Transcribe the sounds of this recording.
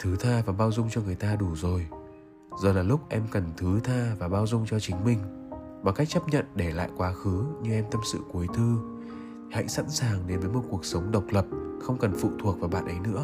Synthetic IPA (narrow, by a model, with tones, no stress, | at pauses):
t̪ʰɨ˨˦t̪ʰaː˧vaː˨˩ɓaː˧wzʊ˧ŋ͡mt͡ɕɔ˧ŋɨ˨˩əjt̪aː˧ɗu˧˩zo˨˩j | zɔ˨˩laː˨˩lʊ˦˥k͡p̚ʔɛ˧mkə˨˩nt̪ʰɨ˨˦t̪ʰaː˧vaː˨˩ɓaː˧wzʊ˧ŋ͡mt͡ɕɔ˧t͡ɕï˨˦ŋ̟mï˧ŋ̟ | vaː˨˩ka˦˥jk̚t͡ɕə˦˥p̚ɲə̰˧˨nɗe˧˩la̰ː˧˨jkwaː˨˦xɨ˨˦ɲɨ˧ʔɛ˧mt̪ə˧msɨ̰˧˨ku˨˦əjt̪ʰɨ˧˨ | hə̰˧˥jsa̰˧˥nsaː˨˩ŋɗe˨˦nvəː˨˦jmo˨t̚ku˨˩ək̚sə˨˦wŋ͡mɗə˨˩wk͡p̚lə˨˩p̚xə˧wŋ͡mkə˨˩nfṵ˧˨t̪ʰu˨˩ək̚vaː˨˩ɓa̰ː˧˨nʔə˨˦jnɨ̰˧˥ə